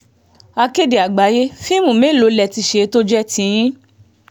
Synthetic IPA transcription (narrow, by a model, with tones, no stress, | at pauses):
a˧ke˦de˨a˨ɡ͡ba˨˦je˦fĩ˦mũ˨me˨˦˨lo˨˧˦lɛ˧˨ti˧ʃe˧˦to˦d͡ʒɛ˦tĩ˧j̃ĩ˦